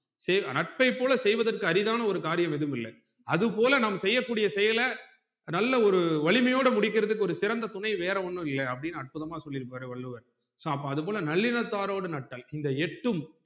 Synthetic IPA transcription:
sɛjnɐʈ̚pɐɪpːoːlɐsɛjʋɐðɐrkɯɐɾɪðaːnɐɔɾɯkaːɾɪjɐmɛðɯmɪlːɐ̰ | ɐðɯpoːlɐnaːmɐsɛjːɐkːuːɽɪjɐsɛjɐlɐ | nɐlːɐɔɾɯʋɐɭɪmɐjoːɽɐmʊɽɪk̬ːɪɾɐðɯkːɯɔɾɯsɪɾɐnd̪ɐt̪ʊnɐɪʋeːɾɐɔnːɯ̃ɪlːɐɐpːɐɽɪnːɯɐʈ̚pɯðɐmaːsɔlːɪɾɯpːaːɾɯʋɐɭːɯʋɐɾ | soːɐp̬ːɐ̃ɐðɯpoːlɐnɐɭːɪnɐt̪ːaːɾoːɽɯnɐʈːɐlɪnd̪ɐɛʈːɯm

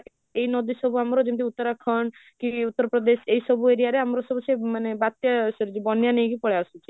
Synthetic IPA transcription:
ejnɔd̪isɔbʱuamɾɔd͡ʒimt̪iut̪ːɔɾakʰɔɳɖ | kiut̪ːɔɾpɾɔd̪esejsɔbueɾijaɾeamɾɔsɔbusemanebat̪jasɔɾd͡ʒibɔnjanejkipɔɭeasut͡ʃʰi

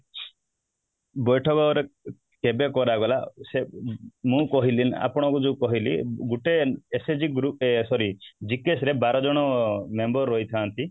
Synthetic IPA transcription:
bɔjʈʰɔkɔɾe | kebekɔɾaɡɔlasemũkɔɦilina̰pɔɽ̃ɔkud͡ʒukɔɦilḭɡuʈeesed͡ʒiɡɾupesɔɾid͡ʒikesɾebaɾɔd͡ʒɔɽ̃ɔmembɔɾːɔjt̪ʰaːnt̪i

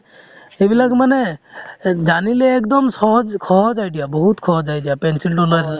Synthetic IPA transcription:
ebilaɡmane | d͡ʒanileːkd̪ɔmsɔɦɔd͡ʒkʰɔɦɔd͡ʒajɖijabɔɦut̪kʰɔɦɔd͡ʒajɖijapensilʈoləɾ

